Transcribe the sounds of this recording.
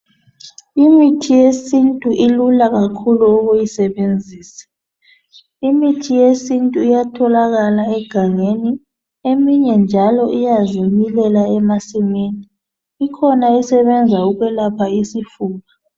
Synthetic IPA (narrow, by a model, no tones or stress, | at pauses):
imitʰijesintʼuʔilulaɣakʰuluɔɣujisɛβend͡zʱiːsɛ̥ | imitʰijesintʼuijatʰɔlaɣalaɛɡ̥ʱaŋeni | emiɲɛnd͡ʒʱalɔʔijazimilɛlaɛmasimeniː | kʰɔnaisɛβɛnd͡zʱauɣwɛlapʰaisifuːɣa